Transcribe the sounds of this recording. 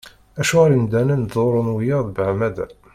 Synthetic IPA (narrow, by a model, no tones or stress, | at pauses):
æʃuɾind̪ænənd̪ˤoɾˤonwjɑðˤbʕmæðæ̰